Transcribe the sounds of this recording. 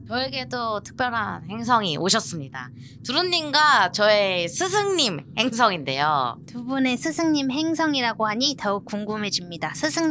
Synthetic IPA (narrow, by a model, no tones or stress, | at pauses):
t͡ɕʌeɡe̞dotʰɯ̥k̚p͈jʌɾɦanhe̞ŋsʰʌŋiʔoɕʰʌs͈ɯmɲida̰ | tuɾɯnːimɡat͡ɕʌesʰɯsʰɯŋɲimhe̞ŋs̬ʰʌŋinde̞jo̰tubune̞sʰɯsʰɯŋɲimɦe̞ŋsʰʌŋiɾaɡoɦaɲitʌuk̚k͈uŋɡumɦe̞d͡ʑimɲidasʰɯsʰɯŋ